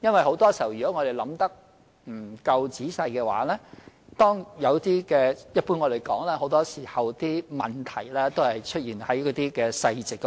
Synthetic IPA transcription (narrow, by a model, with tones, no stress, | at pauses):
jɐ˥nwɐ˨˩jho˨˥wt̪ɔː˥siː˨˩hɐ˨˩wɥyː˨˩kɔː˨˥ŋɔː˧ɾe˨˩jlɐ˨˥mt̪ɐ˥k̚ | m̩˨˩kɐ˧wt͡siː˨˥sɐ˧jkɛː˧wa̰ː˨˥lɛː˥ | t̪ɔː˥ŋjɐ˨˧wt̪iː˥kɛː˧jɐ˥t̚puː˥nŋɔ˨˧d̪e˨˩jkɔː˨˥ŋlɛː˥ho˨˥wt̪ɔː˥siː˨˩hɐ˨˩wt̪iː˥mɐ˨nt̪ʰɐ˨˩jlɛː˥t̪o˥whɐ˨jt͡ʃʰɵ˥t̚jiː˨nhɐ˨˥jkɔː˨˥t̪iː˥kɛː˧sɐ˧jt͡sɪ˨kː